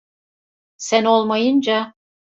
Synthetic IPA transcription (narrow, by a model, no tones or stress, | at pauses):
sænolˠmɤjɤnʲd͡ʑɑ